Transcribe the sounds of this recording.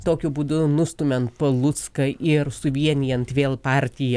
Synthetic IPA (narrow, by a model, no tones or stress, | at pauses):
t̪oːkʲʊbuːd̪ʊnʊst̪ʊmʲɛnt̪̚pɐlˠʊt̪skɐʔɪɾsʊʋʲiɛnʲɪjɛnt̪ʋʲeːlˠpɑːˑɾʲt̪ʲɪjɛ